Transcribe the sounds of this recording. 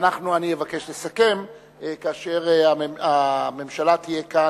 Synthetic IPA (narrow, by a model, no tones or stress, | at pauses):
naχnuanievake̞ʃlesake̞m | kaːʃeʁamame̞mʃalat̪ije̞ka